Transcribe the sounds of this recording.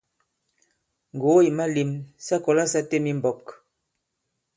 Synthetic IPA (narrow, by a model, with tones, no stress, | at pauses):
ŋ˨ɡo˨˦i˨ma˦li˨msa˦kɔ˨la˦sa˦te˦mi˦m˨bɔ˨p̚k